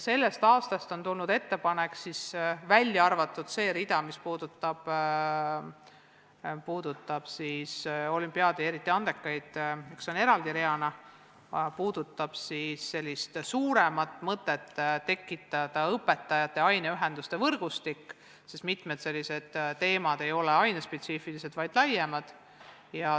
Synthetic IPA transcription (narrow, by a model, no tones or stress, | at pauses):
se̞lːe̞st̪ɑːst̪ɑst̪o̞nt̪ulnud̪e̞t̪ːe̞pɑnekːsisvælʲːjɑɑrvɑt̪ːˑud̪̥se̞ːɾid̪ɑmispuːd̪ut̪ːˑɑb̥ | puːd̪ut̪ːˑɑb̥siso̞lʲympːˑiɑd̪ie̞ɾit̪ːˑiɑnd̪e̞kːˑɑjd̪̥ikso̞ne̞ɾɑld̪iɾeɑnɑ | puːd̪̥ut̪ːˑɑb̥sisːe̞lʲːist̪suːɾemɑt̪ːˑmɤt̪ːˑe̞t̪ːt̪ːe̞kːˑit̪ːˑɑd̪̥ɑɤpːe̞t̪ːˑɑjɑt̪ːˑe̞ɑjneyɦe̞nd̪ust̪e̞vɤrɡ̥ust̪ikː | sest̪mit̪ˑmed̪se̞lʲːise̞d̪̥t̪e̞ːmɑd̪e̞jo̞leɑjnespe̞t̪siːfilise̞d̪vɑjd̪̥lɑjemɑd̪̥ | jɑ